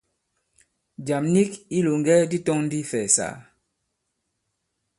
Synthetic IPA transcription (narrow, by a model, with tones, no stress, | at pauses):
d͡ʒa˨mni˦ki˦lo˨ŋ˦ɡɛ˦di˦tɔ˦ŋn̩˦di˦fɛː˨sa̰ː˨